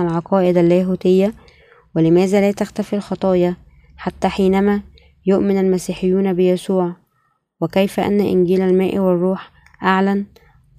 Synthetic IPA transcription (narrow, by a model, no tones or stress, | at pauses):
alʕɑqɑːʔɪd̪ælːæːɦuːt̪ɪjːæ | wɪlɪmæːzæːlæːt̪axt̪æfilxɑt̪ˤɑːjɑ | ħat̪ːæːħiːnæmæː | jʊʔmɪnælmæsiːħɪjːuːnæbɪjæsuːʕ | wɪkæjfæʔæ̰nːæʔɪ̰nɡiːlælmæːʔiwɪrˤːuːħ | ʔaʕlæn